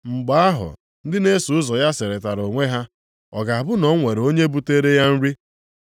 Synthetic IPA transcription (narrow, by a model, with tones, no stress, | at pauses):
ŋ͡m̩˨ɡ͡ba˨a˦ɦʊ̰˨ | n̩˦dɪ˦ne˦su˨ʊ˦zɔ˨ja˦sɪ˨ɾe˨ta˨ɾo˨ŋʷe˦ɦa˦ | ɔ̰˨ɡa˨a˨bʊ˦nɔ˨˦ŋʷe˨ɾo˦ɲe˦bu˦te˦ɾe˦ja˦n̩˦ɾi˦